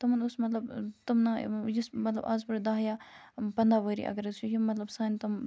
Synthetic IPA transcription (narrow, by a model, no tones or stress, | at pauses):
t̪ɐmɐnʊsmɐt̪lɐbt̪ɐmnajismɐt̪lɐ̰ba̰ːzbɐɾd̪aːɦja | pɐnd̪aʋəɾḭʔɐ̰ɡɐɾet͡ʃʰujimɐt̪lɐbsaːnit̪ɐm